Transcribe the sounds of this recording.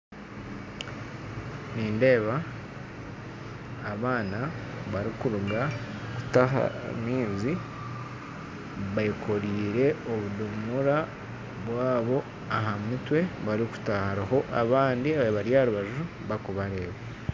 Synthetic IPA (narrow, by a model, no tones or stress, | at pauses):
niːnde̞ːβa | βaːnaβaɾikuɾuɡa | ku̥taɦa̰miːzi | βaikʰo̞ɾiːɾe̞oβudumuɾa | βwaːβo̞ | aɦamitwe̞βaɾiku̥tahaɾaho̞ʔaβaːndiaββaɾjaɾuβaʒuɾu | βakuβaɾe̞ːβe